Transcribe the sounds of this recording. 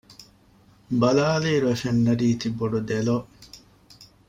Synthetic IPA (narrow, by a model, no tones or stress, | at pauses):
bɐlaːliːɾuefenːɐɾiːt̪iboɖud̪eloː